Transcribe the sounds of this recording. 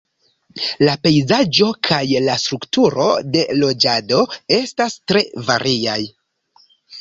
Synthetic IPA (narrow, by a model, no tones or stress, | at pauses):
lape̞jzad͡ʒo̞kʰajlastɾuktuɾo̞̰de̞lo̞d͡ʒado̞e̞stastɾe̞vaɾʔiaj